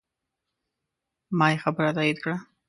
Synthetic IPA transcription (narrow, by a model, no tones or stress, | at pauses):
mɑjexabəɾat̪ɑjid̪kɽa